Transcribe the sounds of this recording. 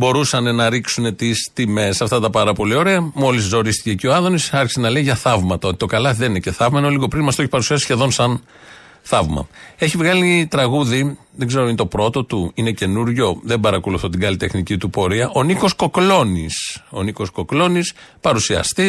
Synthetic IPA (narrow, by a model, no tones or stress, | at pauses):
bo̞ɾusɐne̞nɐɾiksune̞t̪ist̪ime̞sɐft̪ɐt̪ɐpɐɾɐpo̞lio̞ɾe̞ɐmo̞liszo̞ɾist̪ice̞ːcio̞ɐðo̞nisɐɾçi̥se̞nɐle̞iʝɐθɐvmɐt̪ɐo̞t̪it̪o̞kɐlɐðenine̞ce̞θɐvmɐinoliɣo̞pɾinmɐst̪oeçipɐɾusiɐsi̥sçe̞ðo̞nsɐn | θɐvmɐ̰e̞çivɣɐlit̪ɾɐɣuði | ðe̞ɡze̞ɾo̞int̪o̞pɾo̞t̪o̞t̪uine̞ce̞nuɾʝo̞ðe̞bɐɾɐko̞luθot̪iɡɐlit̪e̞xnicit̪upo̞ɾiɐʔo̞niko̞sko̞klo̞niso̞niko̞sko̞klo̞nispɐɾusiɐ̰st̪i